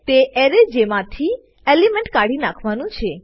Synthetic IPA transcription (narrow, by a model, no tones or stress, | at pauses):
t̪eʔɛɾed͡ʒemãt̪ʰi | elimɛ̃ɳʈkaɽinakʰʋanũt͡ʃʰe